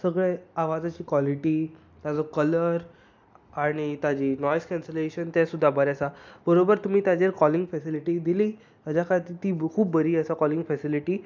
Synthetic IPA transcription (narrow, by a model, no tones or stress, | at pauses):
səɡɭeaʋad͡zat͡ɕiːkʋɔliʈiː | t̪jad͡zɔkələɾ | aɽ̃it̪jad͡ʑiːnɔjskɛ̃nseleɕənt̪jasud̪ʱːabʱəɾasabəɾobəɾt̪um̤iːt̪jad͡ʑeɾkɔliŋɡfɛsiliʈid̪iliː | t̪ad͡ʑakʰaɭt̪iːt̪iːkʰuːbːəɾiːəsakɔliŋɡfɛsiliʈiː